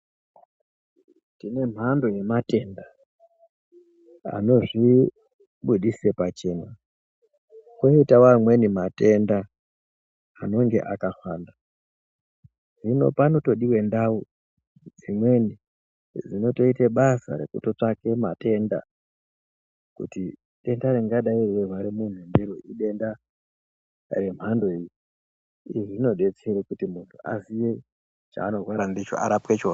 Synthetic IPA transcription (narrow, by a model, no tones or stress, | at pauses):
tine̞m̤ʱando̞je̞mate̞ːnda | a̰no̞ʐi | ɓuɗisepat͡ʃe̞ːna | koitawamwe̞nimate̞nda | no̞ŋɡe̞̰ʔakafaːnda | ʐino̞̰pano̞to̞ɗiwe̞ndau | d͡zimwe̞ni | d͡zino̞to̞iteɓasa̰ɾe̞̰kṵto̞t͡ʂake̞mate̞nda̰ | kṵti | ɗe̞ndareŋɡaɗairwewaɾimun̤undiɾoʔiɗe̞nda | re̞m̤ando̞iji | iʐino̞ɗe̞t͡seɾekutimuntʰua̰sije | t͡ʃa̰ːno̞rwaɾandit͡ʃo̰ʔa̰ɾapwet͡ʃo̞t